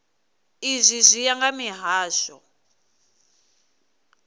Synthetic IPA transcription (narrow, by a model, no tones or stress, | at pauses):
izʷizʷijaŋɡamiɦaːʃɔ